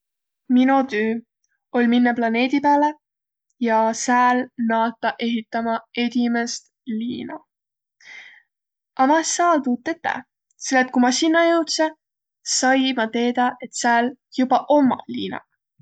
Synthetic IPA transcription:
minot̪øː | o̞lʲminːɑplɑne̞ːd̪̥ʲipeæːle | jɑsæːlnɑːt̪ːˑɑʔe̞ɦit̪ːˑɑmɑe̞d̪̥imest̪ | liːnɑ | ʔɑmɑsæːlt̪uːt̪ːˑet̪ːḛ | selːet̪̚kumɑsinːɑjɤwt̪se | sɑjmɑt̪e̞ːd̪̥ɑʔe̞t̪sæːljubɑʔo̞mɑ̰lḭːnɑ̰

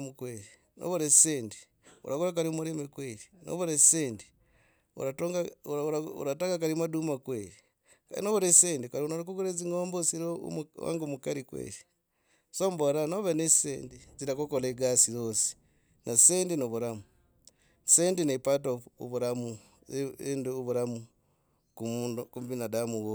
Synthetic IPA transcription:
mukweɾi | nʔo̰βuɾeseːndi̥ | ṵɾakuɾak̬aɾiumuɾemekweɾino̰βuɾeseːndi̥ | ṵɾatoŋɡa | ṵɾataŋɡakaɾimadumakweɾi | ka̰noβuɾeseːndikaɾiunoɾikuɡuɾeziŋoːmbosiɾo̰mwa̰ŋɡomukaɾikwḛɾi | sombolanoβenesḛːndit͡siɾakokoleɡasiɾosi̥ | nʔaseːndinoβuɾamu | seːndinepatoṵβuɾamu | enduβuɾamu | kumunkumbinadamuɣo

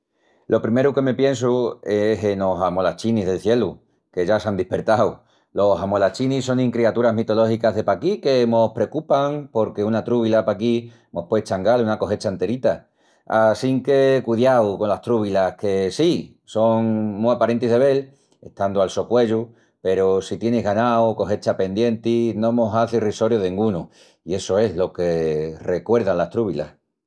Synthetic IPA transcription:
lʔo̞pɾime̞ɾuke̞me̞pje̞ns̬ueɦeno̞samo̞lat͡ʃinizðe̞lθje̞lu | ke̞ʝasand̪ipe̞ɾt̪aw | lo̞samo̞lat͡ʃinis̬o̞ŋĩŋkɾiat̪uɾaɦmit̪o̞lo̞hikaɦðe̞pakike̞mo̞hpɾe̞okupaŋpo̞ɾke̞unat̪ɾuβ̞ilapaki | mo̞hpwet͡ʃaŋɡalunako̞ɦe̞t͡ʃant̪e̞ɾit̪a | asiŋke̞kuðjawko̞nlaht̪ɾuβ̞ilake̞si | so̞ŋmuapaɾe̞nt̪iɦðe̞βe̞l | e̞̰ht̪and̪oalso̞kwe̞ʎu | pe̞ɾosit̪je̞neɦɣanaoko̞ɦe̞t͡ʃape̞nd̪je̞nt̪inõ̞mo̞saθeriso̞ɾjoðŋɡunu | ie̞so̞e̞ɦlo̞ke̞re̞kwe̞ɾðanlaht̪ɾuβ̞ila̰h

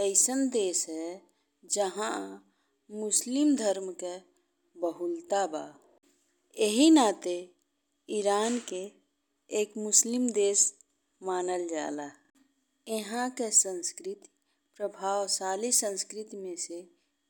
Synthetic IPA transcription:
əɪsənd̪esɦɛ | d͡ʒəɦã | mʊslimd̪ʱəɾmke | bəɦult̪aba̰ | eɦinat̪e | iɾaːnkeː | kmʊslimd̪eːs | maːnəld͡ʒa̰la | eɦãkesə̃nskɾit̪i̥ | pɾəbʱaːwsaːlisə̃nskɾit̪imẽse

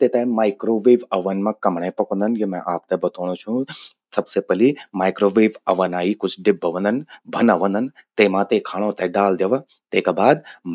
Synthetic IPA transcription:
t̪eːt̪emaːɪkɾoːʋeːʋɐʋənmãkɐmɳ̃ẽːpɐkõnd̪ənjemɛ̃ʔaːp̚t̪ebɐt̪oːɽ̃õt͡ʃʰũ | sɐbsepɐlimaːikɾoːʋeːʋɐʋənaːikʊd͡ʒʰɖɪbʱːəʋə̃nd̪ənbʱɐnəʋə̃nd̪ənt̪eːmãt̪ekʰaːɽ̃õt̪eɖaːld̪eʋə | t̪eːkaːbaːd̪

